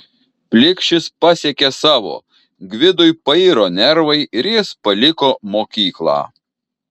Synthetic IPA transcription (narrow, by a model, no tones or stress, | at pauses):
pʲlʲɪkʃʲɪspɑsʲekʲesɑːʋo̰ː | ɡʲʋʲɪd̪ʊjpɐiːɾoːnʲɛɾʋɐɪʔɪɾjɪspɐlʲɪkoːmoːkʲiːklˠɑ̰ː